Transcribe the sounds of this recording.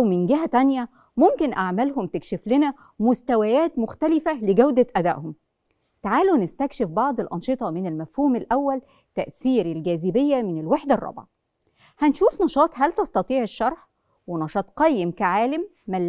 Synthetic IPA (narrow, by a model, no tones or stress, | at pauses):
ʔwmɪnɡɪɦæt̪ænjæ | momkenʔaʕmælɦomt̪ekʃeflenæ | mʊst̪æwæjæːt̪moxt̪ælɪfæleɡæwd̪æʔæd̪æ̰ʔhom | t̪aʕaːlunɪst̪ækʃefbɑʕd̪ˤelʔɑnʃet̪ˤɑmɪnelmæfhuːmelʔæwːæl | t̪æʔθiːɾelɡæːzɪbejːæmɪnelweħd̪ærˤːɑ̰bʕɑ | hænʃuːfnɑʃɑːt̪ˤɦælt̪ɑst̪ɑt̪ˤiːʕeʃːɑɾˤħ | wenɑʃɑːt̪qɑjːemkæʕaːlæmːælː